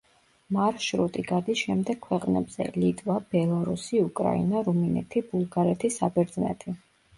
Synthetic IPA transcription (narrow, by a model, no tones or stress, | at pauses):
maɾʃɾut̪ʼiɡad̪isʃɛmd̪ɛɡ̚kʰwɛqʼnɛbz̥ɛ̰lit̪ʼvab̥ɛlˠaɾusiukʼɾa̰ḭnaɾuminɛ̰t̪ʰibulˠɡaɾɛt̪ʰisabɛɾd̪znɛ̰t̪ʰi